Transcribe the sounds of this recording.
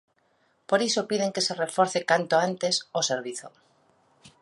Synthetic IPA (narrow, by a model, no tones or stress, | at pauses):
poɾisopið̞eŋkeserefoɾθekant̪oant̪esoseɾβ̞iθo̰